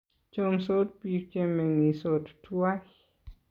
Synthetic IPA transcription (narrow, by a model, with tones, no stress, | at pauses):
t͡ʃo˧mso˦t̚pi˧ɾt͡ʃe˦me˨ŋi˨so˨ttʰwa˦